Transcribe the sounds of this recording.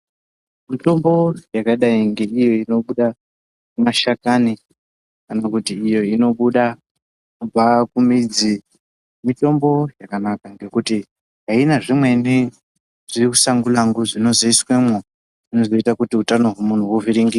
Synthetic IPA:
mito̞mbo̞jakaɗaiŋɡe̞ijo̞ino̞ɓuɗa | kumaʃakani | kanakutiːjo̞ino̞ɓuɗa | nub͡vakumid͡zi | mito̞mbo̞jakanakaŋɡe̞kuti | ɦainaʐimwe̞ni | ʐ̥irikusaŋɡulaŋɡuʐino̞ziiswemwo | ino̞zo̞itakutiutano̞ɦwomun̤uwuviɾiŋɡi

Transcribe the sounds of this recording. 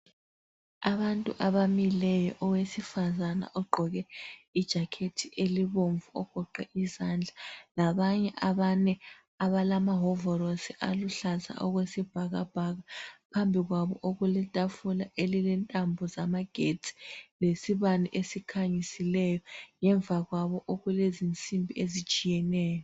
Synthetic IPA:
aβantʼuʔaβamilɛjɔʔɔwesifazana̰ʔɔɡ͡ǃʱɔɣɛid̥ʒ̥ʱakʰetʰiʔeliβoɱvuɔɡ̥ʱɔǃɛʔizand͡ɮʱalaβaɲɛʔaβanɛ | aβalamaɦɔvɔɾosiʔa̰luɬaza̰ʔɔɣwesib̥ʱaɣa̰b̥ʱaɣapʰambʱiɣwaβɔʔoɣulɛtʼafulaʔelilɛntʼambʱɔzamaɡ̥ʱetʰʼi̥lesiβaniʔesikʰaɲisilɛjɔŋɛɱvʱaɣwaβɔʔoɣulezint͡sʼimbʱiezit͡ʃʼijɛnɛːjɔ

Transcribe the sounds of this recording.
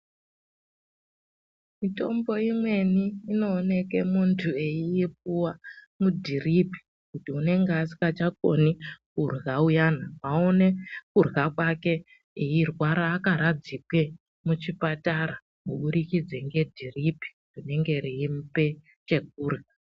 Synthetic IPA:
mito̞mbo̞imwe̞niːno̞ːne̞ke̞muntʰue̞iip̚uwa | mudʱiripi̥ | kutiune̞ŋɡeasi̥kat͡ʃak̚o̞̰nikurɣaujaːnaʋaone̞kurɣakwake̞ | eirwaɾaːkaɾad͡zikwe | mut͡ʃipataɾa | muɓuɾikid͡zeŋɡe̞dʱiripi̥ | rine̞ŋɡe̞ɾiːmpe̞ | t͡ʃe̞k̚uːrɣa

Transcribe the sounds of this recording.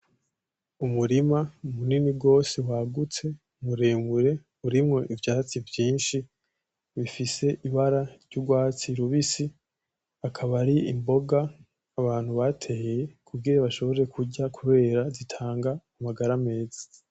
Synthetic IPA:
umuɾimaumuninibɡo̞ːsewaɡut͡se̞ | umuɾeːmuɾe̞ | uɾimŋo̞ʔivjaːt͡sivjiːnʃi | βifise̞ʔiβaɾaɾɟuɡwaːt͡siɾuβisi | akʰaβaɾiḭmbo̞ɡaː | βaːn̥huβatʰehejekʰuɡiɾaβaʃo̞βoɾeɾe̞kʰuɟakʰuβe̞ːɾazitʰaːŋɡaːmaɡaɾame̞ːzi̥

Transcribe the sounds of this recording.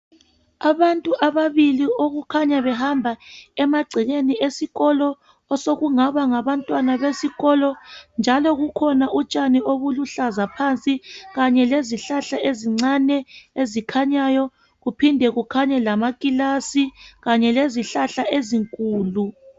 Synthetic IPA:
aβantʼuʔaβaβilioɣukʰaɲaβɛhambʱaɛmaɡ͡ǀʱiɣeniesiɣɔlɔ | ɔsoɣuŋaβaŋaβantʼwanaβesiɣɔlɔnd͡ʒʱalɔɣukʰɔnaʔut͡ʃʼanioβuluɬazapʰant͡sʼiɣaɲɛleziɬaɬaeziŋ͡ǀanɛezikʰaɲajɔ | ɣupʰindʱɛɣukʰaɲɛlamakʼilasiɣaɲɛleziɬaɬaeziŋkʼuːlu

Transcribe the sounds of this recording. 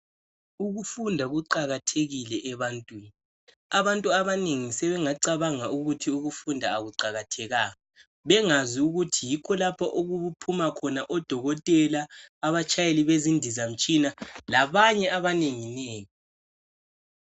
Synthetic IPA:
uɣufundʱaɣuǃaɣatʰeɣilɛʔɛβantʼwiːni | aβantʼuaβaneŋisɛβɛŋaǀaβaŋauɣutʰiuɣufundʱaːɣuǀaɣatʰɛɣaːŋa | βɛŋaziuɣutʰijikʰɔlapʰaʔoɣuβupʰumakʰɔnaʔɔd̥ʱɔɣɔtʼɛlaːβat͡ʃʰʼajeliβezindʱizam̩t͡ʃʼinalaβaɲɛʔaβaneŋineːŋi

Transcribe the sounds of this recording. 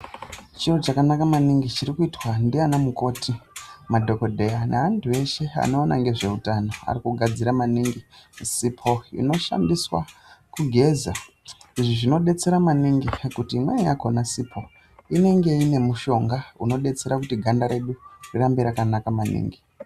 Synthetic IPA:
t͡ʃirot͡ʃakanakamaniŋɡit͡ʃiɾikuitwandianamuko̞timadʱo̞ko̞dʱe̞janeɦantʰue̞ʃe̞a̰no̞ːna̰ŋɡe̞ʐe̞utano̞a̰rikuɡʱad͡ziɾamaniŋɡisipʰo̞ḭno̞ʃa̰ndiswa̰kuɡʱe̞za | iʐiʐino̞ɗe̞t͡se̞ɾamaniŋɡikutimweja̰ko̞nasipʰo̞ | ine̞ŋɡe̞ine̞muʃo̞ŋɡauno̞ɗe̞t͡se̞ɾakutiɡʱandaɾe̞ɗurirambiɾakanakamanḭːŋɡi

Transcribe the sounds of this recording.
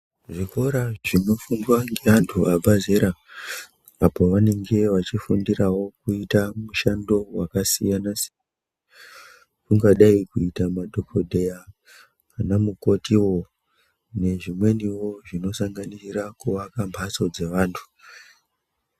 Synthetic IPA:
ʐiko̞ɾaʐino̞fundwaŋɡeantʰuabʱazeɾa | apo̞ʋane̞ŋɡe̞ʋat͡ʃifundiɾawo̞kuitamuʃando̞wakasijanas | kuŋɡaɗaikuitamadʱokodʱe̞ja | kanamuko̞tiwo̞ | ne̞ʐimwe̞niwo̞ʐino̞saŋɡanisirakuʋakambʱaso̞d͡ze̞ʋaːntʰu̥

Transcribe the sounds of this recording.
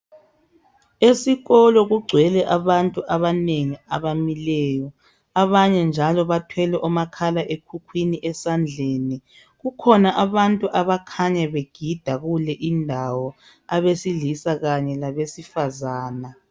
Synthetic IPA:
esiɣɔlɔɣuɡ͡ǀʱwɛlɛʔaβantʼuʔaβaneŋiaβamilɛjɔ | aβaɲɛnd͡ʒʱalɔβatʰwɛlɛʔɔmakʰalaʔekʰukʰwiniʔɛsand͡ɮʱeːni | ɣukʰɔnaʔaβantʼuʔaβakʰaɲaβeɡ̥ʱid̥ʱaɣulɛʔindʱawɔ | aβesilisaɣaɲɛlaβesifazaːna

